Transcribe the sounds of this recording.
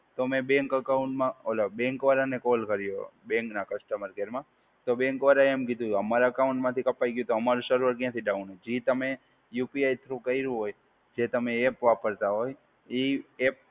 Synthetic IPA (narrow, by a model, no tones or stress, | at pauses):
t̪omẽbɛ̃ŋkəkaʊɳʈmãolabɛ̃ŋkʋaɾanekolkəɾjo̰bɛ̃ŋknakəsʈəməɾkeɾmã | t̪obɛ̃ŋkʋaɾaemkid̪ʱũəmaɾaəkaʊ̃ɳʈmãt̪ʰikəpajɡjut̪oəmaɾũʃəɾʋəɾkjãt̪ʰiɖaũned͡ʒit̪əme | jupiajt̪ʰɾũkəiɾũɦoj | d͡ʒet̪əmeepʋapəɾt̪aɦoj | iep̚